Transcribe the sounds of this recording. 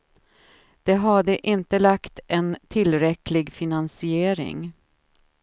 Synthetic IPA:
d̪̥ɛɦaɖəʔɪnt̪əlakt̪ɛnt̪ʰɪlɾɛklɪɡfɪnansɪeːɾɪ̰ŋ

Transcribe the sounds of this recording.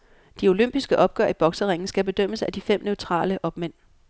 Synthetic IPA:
d̥io̝løm̰b̥isɡ̥əʔɒ̽b̥ɡ̥ɶ̰ɐ̰ib̥ɒ̽ɡ̥səʁeŋn̩sɡ̥æb̥e̝d̥øm̰əsæd̥ifem̰nøʊt͡sʰʁɑ̰̈ːləʔɒ̽b̥men̰

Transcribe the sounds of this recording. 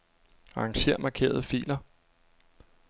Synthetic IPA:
ɑ̈ɑŋɕe̝ɐ̰mɑ̈kʰe̝̰ːɐð̞̩ˠəfḭːlɐ

